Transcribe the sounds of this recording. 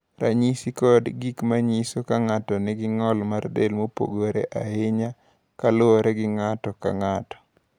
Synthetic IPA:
ɾa̰ɲisikɔdɡikmaɲisokaŋatɔnɪɡɪŋɔlmardelmopo̰ɡoɾḛʔaɪɲa | kalʊɔɾɛɡɪŋatɔka̰ŋatɔ̥

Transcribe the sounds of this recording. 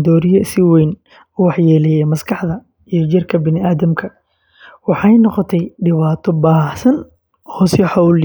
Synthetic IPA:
d̪ɔːɾɪjɐsɪwɛjn | ʊwɑħjɛːlɛjɛmɐskʰɑħd̪ɐ | ijɞd͡ʒɪrkʰɐbɪnɪaːðɐmkʰɐ | wɑħɑjnɔqɔt̪ʰɛjɖɪβaːt̪ʰɔbaːħsɐn | ɔːsɪħɑwl

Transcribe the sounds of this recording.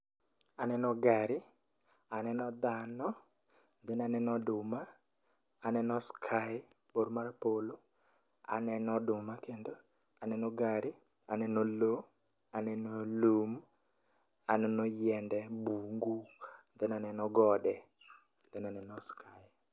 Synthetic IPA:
anɛnɔɡaɾɪ | anɛnɔd̪anɔ | nd̪ɛnanɛnɔdʊmaː | nɛnɔskʰa | boɾmaɾapolo | a̰nɛnɔdʊmakend̪o | anɛnɔɡaɾɪ | anɛnɔlo | anɛnɔlum | anɛnɔjɛndɛbuŋɡund̪ɛnanɛnɔɡɔdɛ | nd̪ɛnanɛnɔskʰaɪ

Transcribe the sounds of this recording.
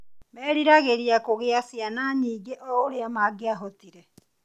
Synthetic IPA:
mɛɾiɾaɣeɾiakoɣeasjanaɲiːɡeʔɔoɾeamaɡeaɦotiɾɛ

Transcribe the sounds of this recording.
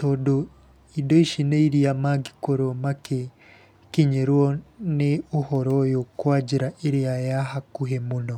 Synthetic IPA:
toːdo | idoiʃineiɾiamaɡikoɾomake | kiɲeɾwɔneuhɔɾɔjokwaːd͡ʒiɾaʔeɾeajaɦakuɦemuno

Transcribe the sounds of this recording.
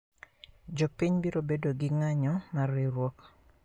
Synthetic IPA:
d͡ʒopiɲbiɾobedoɡɪŋaɲɔmarːiɾwɔk

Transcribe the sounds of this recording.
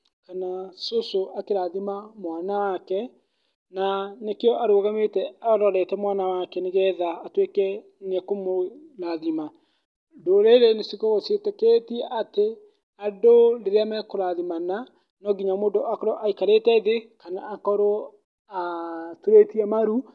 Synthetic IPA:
kanasosoʔakeɾaðimamwanawakɛ | nanekeɔʔaɾoːɣametɛaɾɔɾɛtɛmwanawakɛneɣɛðaːtwekɛ | nɛkomo | ɾaðima | doɾeɾenesikɔɣosjetɛketiɛʔate | adoɾeɾeamɛkoɾaðimana | nɔɡiɲamoːndoʔakɔɾɔʔaikaɾetɛðekanaːkɔɾo | atuɾetiɛmaɾu

